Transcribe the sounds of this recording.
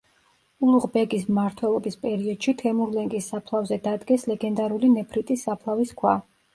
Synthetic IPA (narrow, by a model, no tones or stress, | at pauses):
ulˠuʁbɛɡis̬mmaɾt̪ʰwɛlˠɔbispʼɛɾiɔd̪̥ʃit̪ʰɛmuɾlɛŋkʼisːapʰlˠavzɛd̪ad̪ɡɛslɛɡɛnd̪aɾulinɛpʰɾit̪ʼisːapʰlˠaviskʰwa